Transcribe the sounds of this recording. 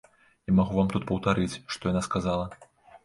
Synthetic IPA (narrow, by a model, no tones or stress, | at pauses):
imaɣuvamt̪ut̪̚pɐwt̪aɾɨt͡sʲʂt̪ɔjanaskazalˠɐ